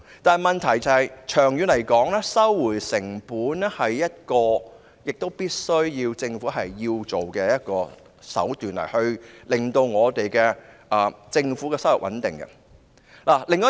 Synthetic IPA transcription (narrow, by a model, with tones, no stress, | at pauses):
t̪aː˨n˨jmɐ˨nt̪ʰɐ˨˩jt͡sɐ˨˧hɐ˨jt͡ʃʰœː˨˩ŋjyː˨˧nlɐ˨˩jkɔː˨˥ŋlɛː˥sɐ˥wːuː˨˩jsɪ˨˩ŋpuː˨˥nɛ˥hɐ˨jːɐ˥t̚kɔː˧ | jɪ˨k̚t̪o˥wpiː˥t̚sɵ˥ɥjiː˧wt͡sɪ˧ŋfuː˨˥ɦɐ˨jːiː˧wt͡so˨wkɛː˧jɐ˥t̚kɔː˧ | sɐ̰˨˥wt̪yː˨nlɐ̰˨˩jhɵ˧ɥlɪ˨˩ŋt̪o˧wŋɔː˨˧t̪e˨jkɛː˧ʔɐː˨˩t͡sɪ˧ŋfuː˨˥kɛː˧sɐ˥wɐ˨˩wʔɐ˨˥nt̪ɪ̰˨˩ŋɡɐ̰˧ | laː˨˩lɪ˨ŋɔ˥